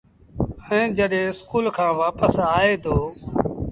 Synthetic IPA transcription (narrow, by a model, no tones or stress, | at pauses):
əẽːd͡ʒəɗẽːɪskuːlkʰãːʋaːpəsaːeːd̪oː